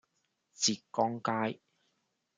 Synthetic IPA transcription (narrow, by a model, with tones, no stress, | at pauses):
t͡siː˨˩k̚kːɔː˥ŋkaː˥j